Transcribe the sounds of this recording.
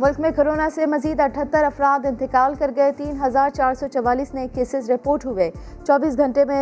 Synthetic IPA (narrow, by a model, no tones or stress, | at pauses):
mʊlkmẽkoɾoːnasemɐziːd̪ɐʈʰət̪ːəɾɐfɾaːd̪ɪ̃nt̪ɪkaːlkɐɾɡɐet̪iːnɦɐzaːɾt͡ʃaːɾsɔːt͡ʃɐʋaːliːsnẽkːeːsɪzɾɪpoːɾʈɦuʋeː | t͡ʃɔːbiːsɡʱɐ̃ɳʈemẽ